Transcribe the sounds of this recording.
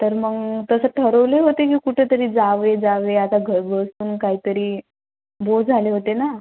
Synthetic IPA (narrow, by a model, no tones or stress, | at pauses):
t̪əɾməɡt̪əsəːʈʰəɾəʋleɦot̪ekiːkuʈʰet̪əɾiːd͡zaʋed͡zaʋeat̪aɡʱəɾɡʱəsuːnkaɦiːt̪əɾiː | bod͡zʱaleɦot̪ena